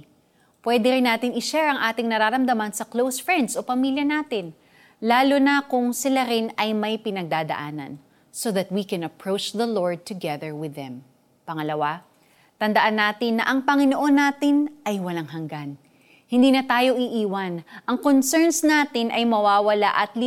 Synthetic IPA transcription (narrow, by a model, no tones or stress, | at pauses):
pwɛd̪ɛɾɪnːaːt̪ɪŋɪʃɛɹɐŋʔaːt̪ɪŋnɐɾaːɾɐmd̪ɐmansɐklowsfɹɛnd̪so̞pɐmiljɐnaːt̪ɪn | laːlonɐkʊŋsɪlaɾɪnɐjmɐjpɪnɐɡ̚d̪aːd̪ɐ̰ʔaːnɐ̰n | soðɐt̪̚wikɛ̃nɐpɹowt͡ʃðɐloɹd̪̚t̪ʊɡɛðəɹwɪðːɛ̃m | pɐŋɐlɐwa | t̪ɐnd̪ɐʔanːaːt̪ɪnːɐʔɐŋpɐŋɪnoʔo̞nːaːt̪ɪnʔɐjwɐlaŋɦɐŋɡan | hɪnd̪iːnɐt̪aːjo̞ʔɪʔiːwɐnʔɐŋkonsɛɹnsnaːt̪ɪnʔɐjmɐwaːwɐla̰ʔɐt̪li